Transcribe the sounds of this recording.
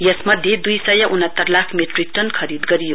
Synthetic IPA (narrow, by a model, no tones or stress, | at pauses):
jʌsmʌd̪ʱːjed̪ujsʌjʌʔunʌt̪ːʌrlakʰmeʈrik̚ʈʌnkʰʌɾid̪ɡʌɾijo